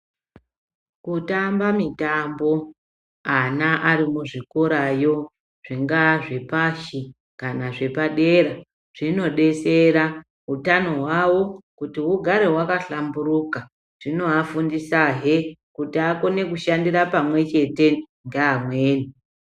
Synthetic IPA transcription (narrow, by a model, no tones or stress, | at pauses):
kutambamitambo̞ | anaʔarimuʐikoɾajo̞ | ʐ̥iŋɡaʐe̞paʃi | kanaʐe̞paɗe̞ɾa | ʐ̥ino̞ɗe̞seɾa | ɦutano̞ɦwawo̞kutiɦuɡʱaɾe̞ɦwakaɬambuɾuka | ʐ̥ino̞afundisaɦekutiako̞ne̞kuʃandirapamwe̞t͡ʃe̞te̞ | ŋɡaːmweːni